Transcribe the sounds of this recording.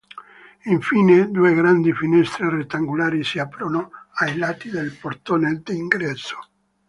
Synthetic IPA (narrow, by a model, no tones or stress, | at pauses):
iɱfiːned̪ueɡɾand̪ifinɛst̪ɾeret̪ːaŋɡulaːɾisiapɾonoajlat̪id̪elpoɾt̪oned̪iiŋɡɾɛsːo̥